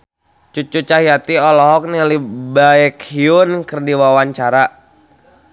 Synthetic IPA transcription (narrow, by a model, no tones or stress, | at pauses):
t͡ʃut͡ʃut͡ʃaɦiat̪iɔlɔɦɔk̚nilibaɛkhiʊnkərdiwawaɲt͡ʃaɾa